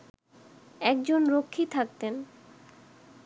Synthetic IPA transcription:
ɛkd͡ʑonɾokʰːit̪ʰak̚t̪en

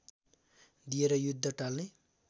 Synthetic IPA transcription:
d̪ijeɾʌjud̪ʱːʌʈalne

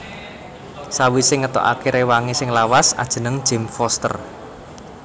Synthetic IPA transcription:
sawisɪŋːət̪ɔ̰ʔa̰keɾewaŋisɪŋlawasa̰d̥ʒ̥ə̤nəŋd̥ʒ̥ɛ̤mfɔst̪ə̰r

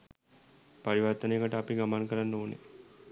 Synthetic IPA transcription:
paɾiʋɐɾt̪əneːkəʈəapiɡamankəɾanːoːnḛ

